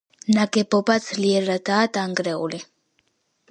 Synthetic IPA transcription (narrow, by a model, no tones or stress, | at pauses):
naɡɛbɔbad̪z̥liɛɾad̪aːd̪aŋɡɾɛṵli